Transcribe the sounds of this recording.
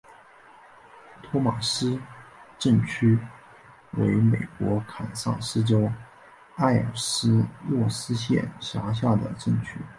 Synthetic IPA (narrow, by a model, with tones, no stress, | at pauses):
t̪ʰɔ˥ma˨˩ʂɹ̩˥ʈ͡ʂə˥˩ŋt͡ɕʰy˥ | we˧˥ɪme˨˩ɪkwɔ˧˥kʰa˨˩nsɑ̰˥˩ŋʂɻ̩˥ʈ͡ʂo˥ʊ | a˥˩ɪə̰˞˨˩sɹ̩˥lwɔ˥˩sɹ̩˥ɕjɛ̰˥˩nɕja˧˥ɕ̬ja˥˩d̪ə̰˩ʈ͡ʂə˥˩ŋt͡ɕʰy˥